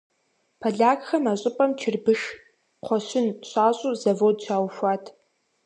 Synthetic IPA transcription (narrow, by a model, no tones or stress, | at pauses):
pʰɐɮaːkxɐmaɕʷʼɪpʼɐmt͡ʃʰɪrbɨʂ | qʷʰɔɕɪnɕʼaːɕʼuːzɐvodt͡ʃʰʷaːwɕʷaːtʰ